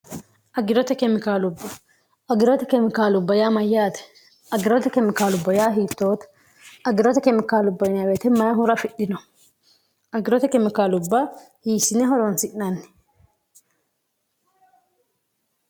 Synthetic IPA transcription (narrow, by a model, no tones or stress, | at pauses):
ʔɐɡɪɾɔt̪ɛkɛmɪkaːlʊbːɐ | ɐɡɪɾɔt̪ɛkɛmɪkaːlʊbːɐjaːmɐjːaːt̪ɛ̥ | ɐɡɪɾɔt̪ɛkɛmɪkaːlʊbːɐjaːɦiːt̪ːo̞ːt̪ | ɐɡɪɾɔt̪ɛkɛmɪkaːlʊbːɐjɪnɐbet̪ɛmɐnɐɦʊɾɐfɪɗɪnɔ | ʔɐɡɪɾɔt̪ɛkɛmɪkaːlʊbːɐ | hiːsɪnɛɦɔɾɔnsɪʔnɐnː